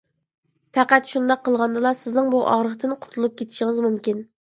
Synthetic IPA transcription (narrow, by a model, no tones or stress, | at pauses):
pʰɛqæt̪ʃund̪ɑqʰːəlˠʁɑnd̪ɨlˠɑsɪznɪŋbuʔɑ̰ʁɾəχt̪ɪnqʰʊ̥t̪ʰulˠup̚kʲʰet̪ʰɪ̥ʃɪŋɪzmumkʲin